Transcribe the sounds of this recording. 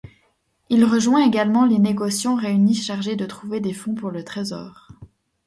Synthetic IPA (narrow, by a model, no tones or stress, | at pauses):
ilʁəʒwɛ̃eɡalmɑ̃leneɡɔsjɑ̃ʁeyniʃaʁʒed̪ət̪χuved̪efɔ̃puʁlət̪χezɔ̰ːʁ